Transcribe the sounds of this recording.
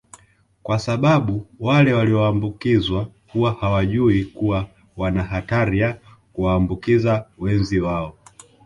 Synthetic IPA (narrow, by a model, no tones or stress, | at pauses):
kwasaɓaɓuwalɛwaliɔaːmbukizwakuwahawaʄuikuwa | wanaɦataɾija | kuwaːmbukizawɛnziwaɔ